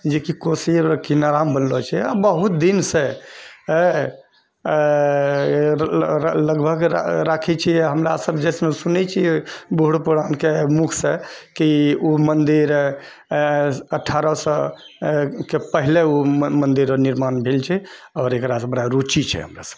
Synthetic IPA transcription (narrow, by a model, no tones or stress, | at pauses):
d͡ʒekikosikinaɾambənlɔt͡ʃʰɛa̰bəɦut̪̚d̪inse | ləɡbʱəɡɾakʰɛt͡ʃʰiɦəmɾasəbd͡ʒɛsmesunɛt͡ʃʰibuɦuɽpuɾankemukʰsekiumənd̪iɾ | əʈʰːaɾəsə | kepəɦileumənd̪iɾniɾmanbʱelt͡ʃʰɛ | ɔːɾekɾasəbəɽaɾut͡ʃit͡ʃʰɛ̰ɦə̰mɾa̰sə̥b